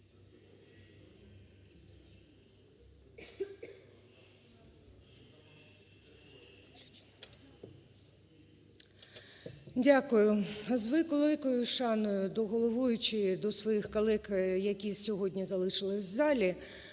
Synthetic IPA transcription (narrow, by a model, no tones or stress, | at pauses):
dʲakʊjʊzʋɪkɔllˠɪkɔjʊʃɑnɔjʊd̪ɔɦɔlˠɔʋujʊt͡ʃɪd̪ɔsʋɔjixkɐlˠɛkjɐkʲisʲɔɦɔdʲnʲizɐlˠɪʃɪlˠɪsʲzɑlʲi